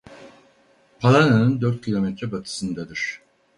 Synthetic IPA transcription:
pʰalˠananɯnd̪øɾt̪̚cʲʰilˠo̞mɛt̪ɾɛbat̪ʰɯ̥sɯnd̪ad̪ɯɾ̝̥

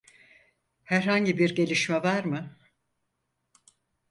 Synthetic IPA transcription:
hæɾɦaɲɟibiɾɟe̞lʲiʃmɛvaɾmɯ

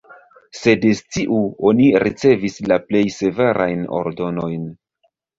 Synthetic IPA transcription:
se̞destiʔuo̞niɾit͡se̞vislaple̞jse̞ve̞ɾʔa̰jno̰ɾdo̞no̞jn

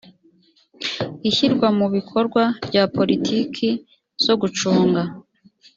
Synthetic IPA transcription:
içiɾɡwamuβikʰo̞ɾɡwabɟaːpo̞ɾitʰiːkʰi | z̥o̞ɡut͡ʃuːŋɡa

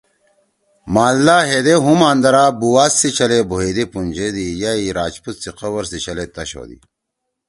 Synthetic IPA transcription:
maːllːaːɦed̪eɦumaːnd̪ɐɾaːbuwaːsːit͡ɕʰɐleboɦeːd̪ipund͡ʑed̪ijaiɾaːt͡ɕput̪siqɐwɐɾsit͡ɕɐlet̪ɐɕo̰ːd̪ḭ

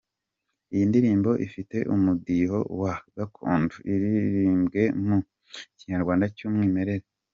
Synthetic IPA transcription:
ijindiɾiːmbo̞ʔifite̞ʔumudiɦo̞waɡakʰṵːnduiɾiɾiːmbɡe̞mu | ciɲaɾɡwaːndacuːmŋiːme̞ɾe̞ɾe

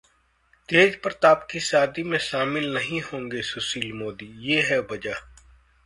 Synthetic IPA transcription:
t̪eːd͡ʒpɐɾt̪aːpkisaːd̪imẽʃaːmɪlnɐɦĩhõːŋɡesʊsiːlmoːd̪ijeːɦɛbɐd͡ʒaː

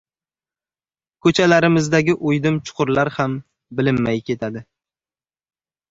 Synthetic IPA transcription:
kʰɵt͡ʃʰalaɾɪmɪzd̪aɡʲɪʔʊjd̪ɪmt͡ʃʰʊ̥qʰʊɾlaɾham | bɪlɪmːajkʲʰe̞t̪ʰad̪ɪ

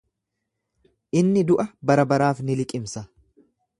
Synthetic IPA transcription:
ʔɪnːɪd̪ʊʔɐbɐɾɐbɐɾaːfnɪlɪkʼɪmsɐ

